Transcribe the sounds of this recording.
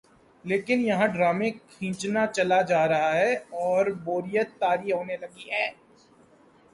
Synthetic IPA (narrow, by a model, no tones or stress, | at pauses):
leːkɪnjɐɦãɖɾaːmẽkʰĩːt͡ʃnat͡ʃɐlad͡ʒaːɾɐɦaɦɛɔːɾboːɾɪjət̪ːaːɾiɦoːnelɐɡiɦɛː